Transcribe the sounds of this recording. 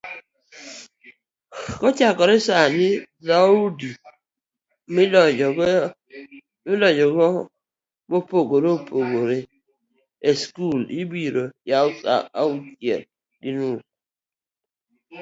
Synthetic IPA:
kɔt͡ʃakɔɾesani | zaudi | milɔɔ | milɔɲd͡ʒɔɡɔ | mopoɡoɾoopoɡoɾe | eskulibiɾojausa̰a̰utjḛl | dinus

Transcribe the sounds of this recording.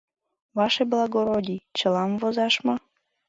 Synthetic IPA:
vɑʃeblɑɡoɾodʲit͡ɕəlˠɑmvozɑʃmɑ

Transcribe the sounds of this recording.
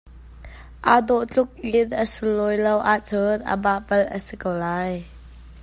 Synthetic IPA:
ʔad̪ɔʔt͡ɬʊk̚ʔinʔəsulːɔjlowʔat͡sɔnʔə̰baʔpɐlʔə̰sikowlaːj

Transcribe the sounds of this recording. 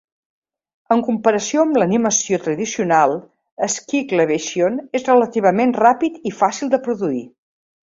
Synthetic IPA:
əŋkumpəɾəsioəmləniməsiot̪ɾəðisiunalˠ | əskikleβ̞eʃionezrələt̪iβ̞əmenrapit̪ifasilˠd̪əpɾuðuḭ

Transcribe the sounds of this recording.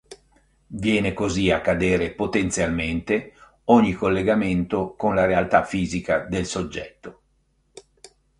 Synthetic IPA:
vjɛːnekoziakːad̪eːɾepot̪ent̪sjalment̪e | ɔɲːikolːeɡament̪okonlaɾealt̪afiːzikad̪elsod͡ʒːɛt̪ːo

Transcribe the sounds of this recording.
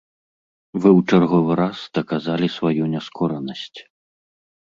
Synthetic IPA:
vɨwt͡ʂarɣɔvɨɾasd̪̥ɐkazalʲisvajunʲɛskʰɔɾɐnɐsʲt͡sʲ

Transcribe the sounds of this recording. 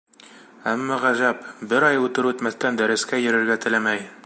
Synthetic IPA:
æmːɑʁæʑæpbɘɾɑjʉt̪ɘɾʉt̪mæθt̪ænd̪æɾɘ̆skæjɘ̆ɾɘ̆ɾɡæt̪ɘ̆læmæj

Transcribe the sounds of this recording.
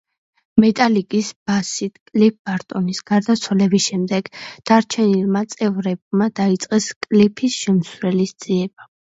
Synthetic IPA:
mɛt̪ʼalikʼisb̥asit̪ʰkʼlip̚ʰb̥aɾt̪ʼɔnisɡ̥aɾd̪at̪sʰwalɛbisʃɛmd̪ɛɡ̥d̪̥aɾt͡ʃʰɛnilmat̪sʼɛvɾɛb̚mad̪̥ait̪sʼqʼɛskʼlipʰisʃɛmsɾɛlisd̪z̥iɛba

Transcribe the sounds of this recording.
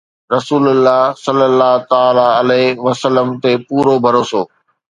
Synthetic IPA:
ɾɐsuːləlːaːɦsəlːəlːaːt̪aːlaəleʋɐsəlːəmt̪epuːɾobʱɐɾoːsoː

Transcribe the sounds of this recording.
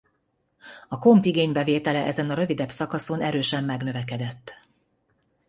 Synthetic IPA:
ɒko̞mpiɡeːɲbɛveːt̪ɛlɛʔɛzɛnɒɾø̞vid̪ɛbsɒkɒso̞nɛɾøːʃɛmːɛɡnø̞vɛkɛd̪ɛt̪ː

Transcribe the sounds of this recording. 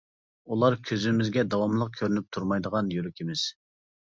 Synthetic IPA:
ulˠɑɾkʲʰøzymɪzɡʲɛd̪ɑwɑmlˠəq̚kʲʰøɾynyp̚t̪ʰuɾmɑjd̪əʁɑnjøɾykʲʰemɪs

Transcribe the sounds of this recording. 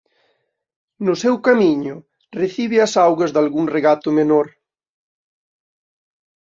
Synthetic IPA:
nʊsewkamiɲʊ | reθiβɪɐsawɣɐzðalɣuŋreɣat̪ʊmenoɾ

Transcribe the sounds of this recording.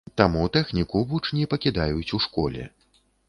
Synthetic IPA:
t̪amut̪ɛxnʲikubut͡ʂnʲipɐkʲid̪ajut͡sʲuʂkɔlʲɛ̰

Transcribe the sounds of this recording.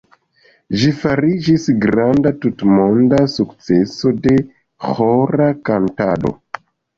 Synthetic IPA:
ʒifaɾid͡ʒisɡɾandatutmondasukt͡se̞so̞de̞ | xoɾakantaɗo̰

